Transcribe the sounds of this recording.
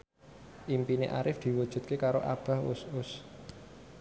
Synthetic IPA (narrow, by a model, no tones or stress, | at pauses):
ʔimpinḛʔaɾɪfd̪̥i̤wud̥ʒ̥ṳt̪̚kekaɾoʔa̰b̥a̤hʊsʊs